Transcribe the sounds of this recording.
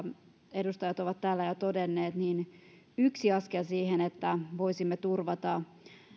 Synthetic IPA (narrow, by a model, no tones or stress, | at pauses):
e̞dust̪ɑjɑt̪oʋɑt̪t̪ːæːlːæjot̪o̞denːe̞ːt̪niːn | yksiɑskelsiːɦenet̪ːæʋojsimːet̪urʋɑt̪ɑ